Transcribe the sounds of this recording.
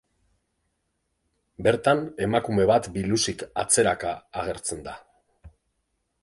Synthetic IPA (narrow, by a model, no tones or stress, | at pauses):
be̞ɾt̪ane̞makume̞βat̪bilusika̰t͡se̞ɾakaːɣ̞e̞ɾt͡se̞nd̪a